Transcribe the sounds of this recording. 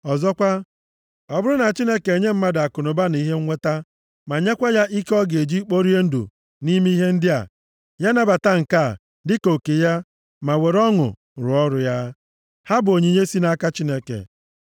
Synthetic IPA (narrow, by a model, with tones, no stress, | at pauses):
ɔ˨zɔ˦kʷa˦ | ɔ˨bʊ˦ɾʊ˦na˨t͡ʃi˦ne˦ke˨ɲe˦m̩˦ma˦da˨kʊ˨nʊ˨ba˦ni˦ɦe˦ŋ̩˦ŋʷe˦ta˦ | ma˨ɲe˦kʷa˦ja˦ʔi˦kɔ˦ɡe˨d͡ʒi˦k͡po˦ɾi˦e˦n̩˦dṵ˨ | ni˦mi˦ɦe˦n̩˦dɪ˦a̰˨ | ja˦na˨ba˨ta˦ŋ̩˨ka˦˨ | dɪ˦ko˨ke˨ja˦ | ma˨we˨ɾɔ˦ŋʊ̰˨ | ɾʊ˨ɔ˦ɾʊ˨ja˦ | ha˦bʊ˨o˨ɲi˨ɲe˦si˦na˦ka˦t͡ʃi˦ne˦kḛ˨